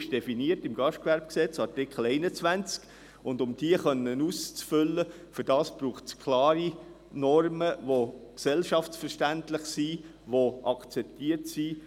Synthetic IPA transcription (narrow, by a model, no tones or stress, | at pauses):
ʃd̥ɛfiniətɪmɡɑʃtkʋæɾb̥ksɛt͡sɑɾtɪkχl̩ɛɪnət͡sʋænt͡sk | ʊndʊmd̥iəχœnənuːst͡sfʏlːə | fʏɾd̥ɑːsb̥ɾuːχskʰlɑːɾi | nɔrməʋoksɛlʃɑftsfərʃtæntlɪχsi | ʋoʔɑkt͡sɛp̚tiːəɾtsiː